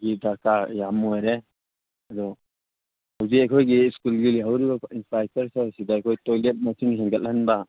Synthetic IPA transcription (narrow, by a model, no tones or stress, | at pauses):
ɡidʱaɾkajamojɾe | adɔ | hawzikajkʰɔjɡiskulɡiliɦawɾibainspajtaɾsesidaːjkʰɔjtɔjlet̚masiŋɦɛŋɡat̚ːanba